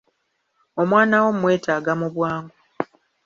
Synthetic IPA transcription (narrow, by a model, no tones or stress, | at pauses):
o̞mwaːnawo̞mwe̞ːtaːɡamuβwaːŋɡo